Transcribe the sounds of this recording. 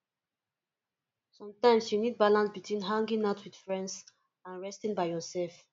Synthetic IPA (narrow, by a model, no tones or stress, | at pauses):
sɔ̃mtãɪ̃msjunid̚balãnsbitʰwĩnɦãŋɡĩŋaʊtʰwid̥fɹɛ̃nds | ãnɹɛstĩŋbaɪhɔsɛlf